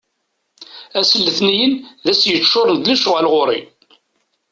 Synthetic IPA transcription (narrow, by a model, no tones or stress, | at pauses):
æsəlːəθnijənðæsjət͡ʃːʊɾˤənd̪læʃʊʁælʁʊɾˤḭ